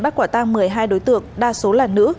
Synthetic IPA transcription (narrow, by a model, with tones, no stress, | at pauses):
ɓa˦˥k̚waː˧˩t̪aː˧ŋmɨ˨˩əjɦaː˧jɗo˨˦jt̪ɨ̰˧˨əŋɗaː˧so˨˦laː˨˩nːɨ̰˧˥